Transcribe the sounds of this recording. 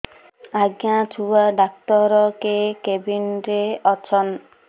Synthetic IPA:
aɡjat͡ʃʰuwaɖak̚t̪ɔɾɔkekebinɾeɔt͡ʃʰɔn

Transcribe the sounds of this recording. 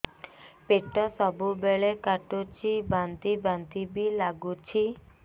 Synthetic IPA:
peʈːɔsɔbubeɭekaʈot͡ʃʰibant̪ibant̪ibilaɡut͡ʃʰi

